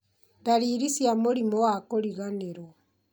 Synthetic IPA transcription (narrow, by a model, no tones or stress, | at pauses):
daɾiːɾisjamoɾimɔwakoɾiɣaneɾo